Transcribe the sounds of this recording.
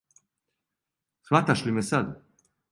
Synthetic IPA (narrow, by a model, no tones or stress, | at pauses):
sʋat̪aʃlimesad̪